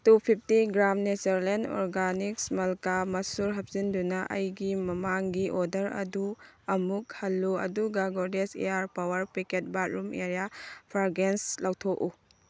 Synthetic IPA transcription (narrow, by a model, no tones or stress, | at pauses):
tupʰip̚ʰtiɡɾamnesɐɾleno̰ɾɡaniksmɐlkamɐsuɾɦɐp̚zindunɐʔɐ̰jɡimɐmaŋɡiʔodɐɾɐ̰du | ɐmuk̚hɐlːuɐ̰duɡaɡoɾdesḛaɾpawɐɾpiket̚bat̚ɾumeɾjapʰaɾɡenslawtʰoʔu